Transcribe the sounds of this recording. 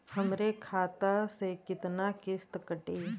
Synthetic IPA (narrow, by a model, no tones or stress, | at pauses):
hɐmɾekʰaːt̪asekɪt̪nakɪst̪kəʈeː